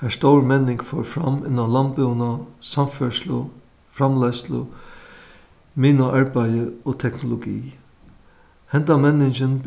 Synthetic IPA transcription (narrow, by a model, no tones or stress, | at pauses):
hæʂt̪owɹmɛnːɪŋkfɔːɹfɾa̰mɪ̰nːanlanpɪwnasamfœʂlʊ̰ | fɾamlɛslʊ̰ | miːnʊʔaɹpæjəoːt̪ʰɛkʰnʊlʊɡḭː | hɛnt̪amɛnɪt͡ʃənb